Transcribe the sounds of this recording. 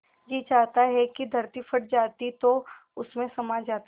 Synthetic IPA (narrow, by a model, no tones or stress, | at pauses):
d͡ʒiːt͡ʃaːɦt̪aɦɛkid̪ʱɐɾt̪ifʰɐʈ̚d͡ʒaːt̪it̪o | ʊsmẽsɐmaːd͡ʒd͡ʒaːt̪